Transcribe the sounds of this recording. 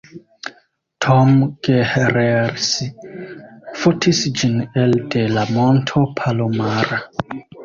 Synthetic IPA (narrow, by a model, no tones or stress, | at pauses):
tʰomɡ̥eheɾeɾsi | fotʰisd͡ʒineldelamontʰopʰalomaɾa